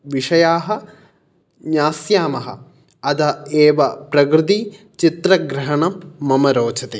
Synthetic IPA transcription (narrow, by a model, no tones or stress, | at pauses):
ʋiʂɐjaːɦɐ̆ | ɲaːsjaːmɐɦɐ̰ | ɐd̪ɐeːʋɐpɾɐɡɾɨd̪i | t͡ʃit̪ɾɐɡɾɐɦɐɳɐmːɐmɐɾoːt͡ʃʰɐt̪eː